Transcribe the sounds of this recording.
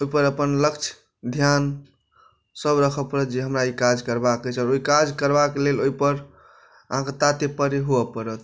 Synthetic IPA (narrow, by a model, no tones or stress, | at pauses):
ojpəɾəpənləkt͡ʃʰ | d̪ʱjan | səbɾəkʰəpəɾət̪̚d͡ʒeɦəmɾaikad͡ʒkəɾbakət͡ʃʰaːɾoikad͡ʒkəɾbakeleloipəɾ | əɦãket̪at̪epəɾiɦuəpəɾət̪